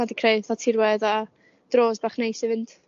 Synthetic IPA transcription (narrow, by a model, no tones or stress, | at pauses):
adikʰreɨðɔtʰirwɛða | d̥roːzbaχnejsivɨnd̥